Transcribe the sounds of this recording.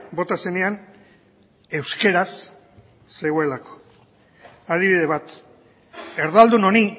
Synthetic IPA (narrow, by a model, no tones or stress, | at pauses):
bo̞t̪ase̞nean | e̞wske̞ɾasː | e̞ɣoe̞lako̥ | að̞iβiðe̞βat̪ | e̞ɾðald̪uno̞ni